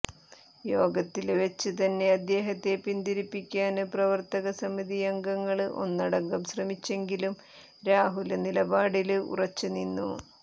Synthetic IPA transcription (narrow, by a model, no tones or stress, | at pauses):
jo̞ːɡɐt̪ːilʋet͡ɕːɨt̪ɐnːe̞ɐd̪ːe̞ːɦɐt̪ːe̞pind̪iɾipːikʲːaːnɨprɐʋɐrt̪ɐɣɐsɐmiðijɐŋɡɐŋːɐɭɨʔo̞̰nːɐɽɐŋɡɐmɕrɐmit͡ɕːe̞ŋɡilum | ɾaːɦulɐnilɐbaːɽilṵrɐt͡ɕːuninːṵ